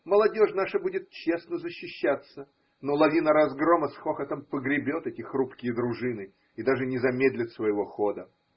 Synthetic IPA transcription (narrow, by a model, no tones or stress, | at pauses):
məlˠɐdʲoʂnaʂəbudʲɪt̪̚t͡ɕesnəzəɕːɪɕːat̪sːə | nolˠɐvʲinəɾɐzɡɾoməsxoxət̪əmpəɡɾʲɪbʲo̞t̪ɛtʲɪxrupkʲɪjəd̪ɾʊʐɨnɨ | id̪aʐɨnʲɪzɐmʲed̪ʲlʲɪt̪svəjɪvo̞xod̪ə